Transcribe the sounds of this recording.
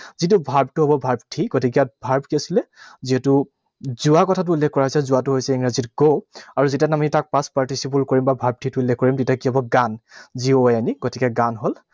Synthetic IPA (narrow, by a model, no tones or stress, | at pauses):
zit̬ubʱaɹb̚tʊɦɔbɔbʱaɹbtʰiɡotʰik̬ijabʱaɹbkiasilɛziɦɛtʊ | zuakɔtʰat̬ʊulːɛkkɔɹaɦisɛzʊatuɦojsɛiŋɹazitɡoaɹuzetijanamitak̚paspaɹtisipulkoɹimbabʱaɹb̚tʰituulːɛkkɔɹimtitakiɦɔbɔɡanzioaniɡotʰikɛɡanɦol